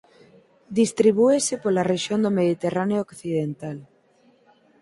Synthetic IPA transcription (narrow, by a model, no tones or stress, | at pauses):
d̪ist̪ɾiβ̞uesɪpolareʃjond̪omeðit̪eraneookθiðent̪al